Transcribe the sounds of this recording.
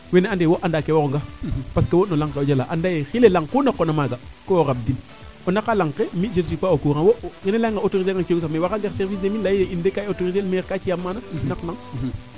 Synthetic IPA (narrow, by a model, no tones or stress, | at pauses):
weneandewoʔandakewokoŋɡapaskewonolaŋkeoɟalaʔandajexilelaŋkunakːɔnamaɡakowoɾab̚din | ɔnakalaŋkemid͡ʒes̬ipaokuɾanwokinelaŋɡaotoɾiz̬eŋɡakioɡs̬amewakaɡeɾsɛɾvis̬demilajjeʔindekaotoɾitelmeɾkat͡ʃijamːaːnanaklaŋ